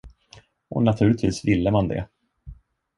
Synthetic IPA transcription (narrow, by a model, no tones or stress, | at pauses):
ɔ̰nat̪ʰʉ̟ːlɪt̪viːsvɪlːəmand̪ɛ̰